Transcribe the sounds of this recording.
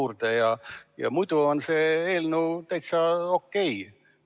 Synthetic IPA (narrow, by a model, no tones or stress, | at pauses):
uːrd̪ejɑjɑ̰mujd̪̥uonse̞eːlnuwt̪æjt̪sɑokːe̞j